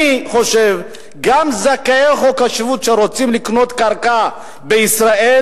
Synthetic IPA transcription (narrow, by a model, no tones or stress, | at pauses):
χo̞ʃe̞v | ɡamzakaeχokaʃvut̪ʃeʁot͡simlikno̞t̪kaʁka | beisʁae